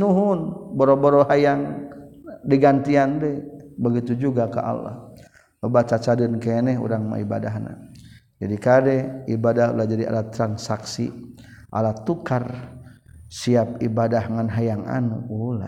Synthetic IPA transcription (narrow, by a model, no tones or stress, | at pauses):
nuɦʊnboɾoboɾohajaŋ | diɡant̪iandɛbəɡit̪ud͡ʒuɡaka̰ʔa̰la̰h | əbat͡ʃat͡ʃadɪnkenɛɦṵɾaŋma̰iba̰daɦna̰ | d͡ʒadikadɛibadahṵlahd͡ʒadia̰lat̪ɾansaksi | ʔa̰lat̪ukar | siap̚ibadahŋanɦajaŋa̰nṵula̰